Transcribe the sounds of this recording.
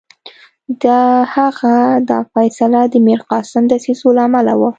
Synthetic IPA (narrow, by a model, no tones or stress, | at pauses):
d̪ɑhaɣad̪ɑ̰fajsalad̪əmeɾqɑsɪmd̪əsizolaːmalawə